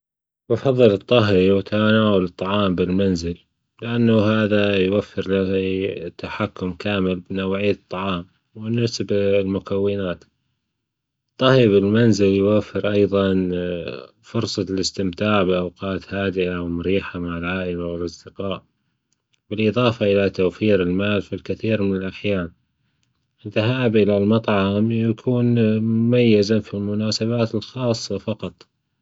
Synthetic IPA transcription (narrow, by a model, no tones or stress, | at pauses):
wɑfɑðˤːɨlɨt̪ˤːɑɦiwɪt̪ʰanaːwalɨt̪ˤːɑʕɑːmbɪlmanzɪl | lɪʔanːaɦaːðajwafːɪɾlat̪ːaħakːʊmkaːmɪlbɪnawʕijːat̪ˤːɑʕɑːm | wɪnːasablmʊkawːɪnaːt̪ | ɨt̪ˤːɑhɾibɪlmanzɪljwafːɪɾʔɑjðˤɑn | fʊɾsˤɑlɪst̪ɪmt̪aːʕbɪʔawqɑːt̪haːd̪ɪʔawmʊɾiːħamaʕɪlʕaːʔɪlawɪlʔɑsˤd̪ɪqɑːʔ | bɪlʔɨðˤɑːfɑʔɪlat̪owfiːɾɪlmaːlfilkɪθiːɾmɪnɪlʔaħjaːn | ʔɪðaɦaːbʔɪlalmɑt̪ˤʕɑɑmjakʰuːnmʊmajːɪzafilmʊnaːsaβaːt̪ɪlxɑːsˤːɑfɑqɑt̪ˤ